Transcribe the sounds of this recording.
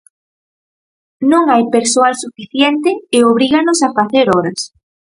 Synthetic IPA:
nõŋajpeɾsoalsufiθjɛnt̪ɪɪoβɾiɣanosafaθeɾɔɾɐs

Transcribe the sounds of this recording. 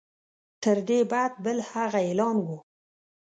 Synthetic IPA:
t̪əɾd̪ebad̪̚bəlhaɣaelɑnwu

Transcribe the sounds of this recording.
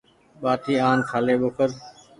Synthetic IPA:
ɓaːt̪ʰiːaːnk̪ʰaːleːɓoːkəɾ

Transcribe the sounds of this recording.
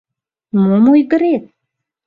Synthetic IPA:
momojɣə̆ɾet̪̚

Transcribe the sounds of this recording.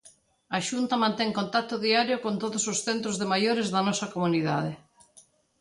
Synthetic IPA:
aʃunt̪ɐmãnt̪ɛŋkont̪ak̚t̪oðiaɾjokont̪oðososθent̪ɾozðemajoɾezðɐnɔsɐkomuniða̰ðe

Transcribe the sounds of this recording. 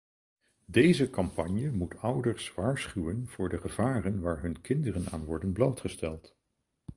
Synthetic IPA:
dejzəkɑmpɑɲjəmutʌwdəɹsʋaːɹsχywənv̥ʊːɹdəχəv̥aːrənʋaːɹɦɵnkɪndərəna̰ːnʋɔɹdənblowtχəstɛlˠt

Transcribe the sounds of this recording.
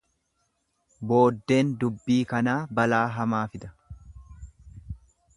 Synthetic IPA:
bo̞ːd̪ːe̞ːnd̪ʊbːiːkɐnaːbɐlaːɦɐmaːfɪd̪ɐ̥

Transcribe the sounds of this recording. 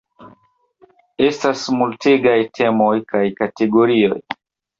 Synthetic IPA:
e̞stasmulteɡajtʰe̞mo̞jkajkate̞ɡo̞ɾio̞̰j

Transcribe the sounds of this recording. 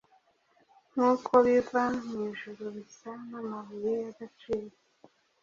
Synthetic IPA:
nukoβivamiʒuɾoβisanamaβujejaɡat͡ʃiːɾo

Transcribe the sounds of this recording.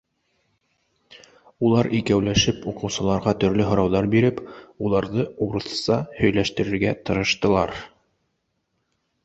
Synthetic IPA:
ulˠɑɾʔikæwlæʃɘpuqɤ̆wsɤ̆lˠɑɾʁɑt̪ɵ̆ɾlɵɦŏɾɑwðɑɾbiɾɘpulˠɑɾðɤuɾɤ̆θsɑhɵ̆jlæʃt̪ɘ̆ɾɘ̆ɾɡæt̪ɤ̆ɾɤ̆ʃt̪ɤ̆lˠɑɾ

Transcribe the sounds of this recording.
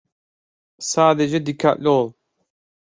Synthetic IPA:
saːd̪ed͡ʒed̪ikʰːa̰ʔlʲoːlˠ

